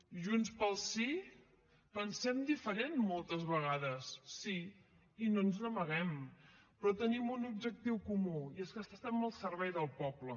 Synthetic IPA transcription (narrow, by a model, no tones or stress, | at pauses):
ʒunspəlˠsi | pənsɛmd̪ifəɾenmolˠt̪əzβəɣ̞aðəsːi | inonznəməɣ̞ɛm | pɾɔt̪ənimunub̚d͡ʒək̚t̪iwkumuieskəst̪ast̪ambəlˠsəɾβɛjðəlˠpɔplə